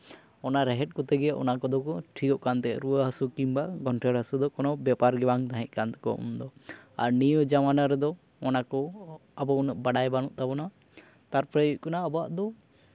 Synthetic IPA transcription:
ɔnaɾɛɦɛʈ̚kɔt̪ɛɡɛʔɔ̰nakɔd̪ɔkɔʈʰikɔʔkant̪ɛɾuaɦəsukimbaɡʱɔnʈʰɛɾɦəsud̪ɔkɔnɔbjapaɾɡɛbaŋt̪aɦɛ̃ʔ̚ˀkant̪ɛ̥kɔṵmd̪ɔaɾnijɔd͡ʒamanaɾɛd̪ɔ | ɔnakɔabɔunəʔbaɽajbanuʔ̚t̪abɔna | t̪aɾpɾajuc̚ˀkɔnaɔbɔaʔd̪ɔ

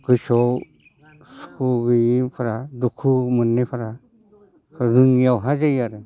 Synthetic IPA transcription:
ɡɯsɔw | skʰuɡɯjipʰaɾadukʰumɯnːepʰaɾa | pʰɾaɾɯŋijawɦazajaɾɯ

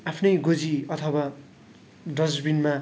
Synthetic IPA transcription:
apʰnʌjɡod͡ziʌt̪ʰʌwa | ɖʌd͡zbinma

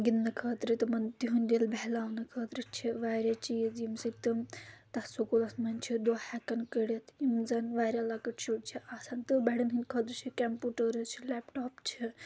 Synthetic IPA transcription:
ɡinːɐkʰɐːt̪ɾit̪ɨmɐnd̪iɦunʲd̪ilbɛlaːʋnɐkʰəːt̪ɾit͡ʃʰiʋaːɾʲjat͡ʃiːzimsikt̪ɨmt̪ɐsukulɐsmɐnʲt͡ʃʰid̪oːhɛkɐnkəɽʲɐt̪imzɐnʋaːɾʲjalakəʈt͡ʃʰuʈt͡ʃʰiʔaːsant̪ɨbɛɽɐnɦinʲkʰɐːt̪ɾt͡ʃʰikʲɛmpuːʈəɾɨt͡ʃʰilɛːpʈɔːpt͡ʃʰi

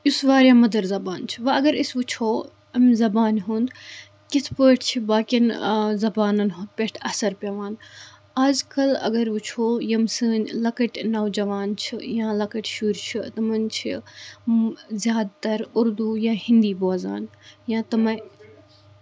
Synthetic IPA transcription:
jusʋaːɾʲjãːmɐd̪ɐɾzɐbaːnt͡ʃʰiʋɐɐɡɐɾisʋut͡ʃʰoː | ɐmzɐbaːnɦũnd̪ | kit̪ʰpoːʈʰt͡ʃʰibaːkʲinzɐbaːnɐnɦund̪pʲeʈʰɐsɐɾpʲɐʋaːn | aːzkɐlɐ̰ɡɐɾʋut͡ʃʰoːjɐmsɨːnlɐkɐʈʲnɐʋd͡ʒɐʋaːnt͡ʃʰijãːlɐkɐʈʲʃuːɾt͡ʃʰit̪ɐmɐnt͡ʃʰḭ | zʲjaːd̪t̪ɐɾuɾd̪ujaːhĩnd̪iːboːza̰ːnjãːt̪ɐmɐ̃

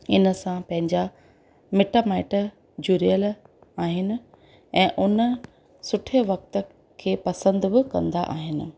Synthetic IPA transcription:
ɪ̰nə̆sãpɐ̃ɦɪ̃ɲd͡ʑa | meːʈaːmaːɪʈ | d͡ʑuːɾijəl | aːɦɪnɪ̆ | ɛ̃ːʔʊnə | sʊʈʰeʋɐk̚t̪ə̆ | kʰeːpɐsə̃nd̪bɪkɐ̰̃nd̪aʔa̰ːɦɪnɪ̆

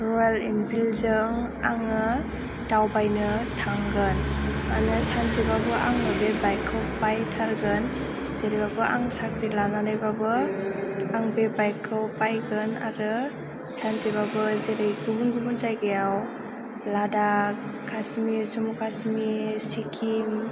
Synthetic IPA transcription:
ɾɔalinbilzɯŋaŋɯ | tawbajnɯtʰaŋɡɯnanɯsanzebabɯʔaŋnɯbebajkʰːɯwpajtʰaɾɡɯn | z̥eɾibabɯʔa̰ŋsakɾilananɯjbabɯ | aŋbebajkʰːɯwpajɡɯna̰ɾɯ | sanzeβabɯzeɾejɡubunɡubunzajɡejaw | ladakʰasmizumukʰasmisikʰim

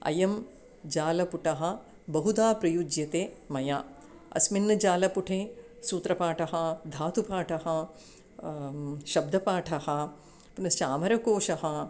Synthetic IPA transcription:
ɐ̰jɐm | d͡ʒaːlɐpuʈɐɦɐ̆ | bɐɦud̪aːpɾɐjud͡ʒjɐt̪eːmɐjaː | ɐ̰sminːɐd͡ʒaːlɐpuʈʰeː | suːt̪ɾɐpaːʈʰɐɦɐd̪ʱaːt̪upaːʈʰɐɦɐ | ʃɐb̚d̪ʱɐpaːʈʰɐhɐ | punɐst͡ʃaːmɐɾɐkoːʃɐɦɐ

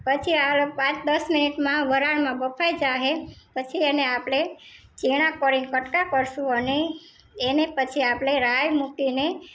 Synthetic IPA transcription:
pət͡ʃʰialopãt͡ʃd̪əsminiʈmãʋəɾaɳmãbəpʰajd͡ʒaɦepət͡ʃʰieneapɽe | t͡ʃiɽ̃ãkəɾinkəʈkakəɾʃũəneː | nepət͡ʃʰiapɽeɾajmukine

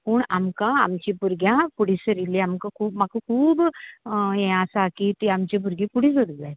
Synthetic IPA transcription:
puːɳa̰mkãamt͡ɕipuɾɡjãpuɽ̤isəɾiliamkãkʰuːbmakakʰuːb | ẽasakit̪iamt͡ɕibʱuɾɡipuɽĩs̬əɾila

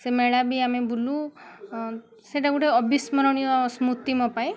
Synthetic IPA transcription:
semeɭabiamebulu | seʈaɡuʈeɔbʱismɔɾɔɽ̃ijɔsmut̪imɔpaẽ

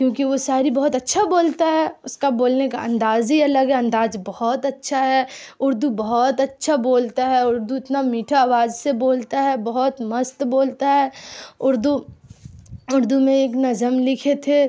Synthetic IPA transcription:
kjõːkiʋosaːɾibɔɦɔt̪ɐtːʃʰaboːlt̪aɦɛʊskaboːlnekaʔɐ̰̃nd̪aːzɦiɐləɡɦɛɐ̃nd̪aːzbɐɦɔt̪ɐtːʃʰaɦɛ | ʊɾd̪ubɐɦɔt̪ɐtːʃʰaboːlt̪aɦɛʊɾd̪uɪt̪namiːʈʰaaːʋaːzseboːlt̪aɦɛbɐɦɔt̪mɐst̪boːlt̪aɦɛʊɾd̪u | ʊɾd̪umẽeːknɐzəmlɪkʰet̪ʰe

